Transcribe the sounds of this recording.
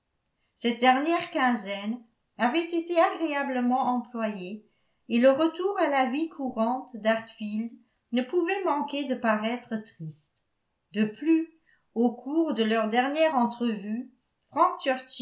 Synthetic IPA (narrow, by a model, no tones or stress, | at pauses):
sɛt̪̚d̪ɛʁnjɛːʁkɛ̃zɛn | avɛt̪et̪eaɡʁeabləmɑ̃ʔɑ̃plwaje | eləʁət̪uːʁalavikʰuʁɑ̃t̪d̪aʁt̪fild̪ | nəpuvɛmɑ̃ked̪əpaʁɛt̪χət̪χist̪ | d̪əply | okʰuːʁd̪əlœʁd̪ɛʁnjɛʁɑ̃t̪χəvy | fχɑ̃k̚t͡ʃœʁs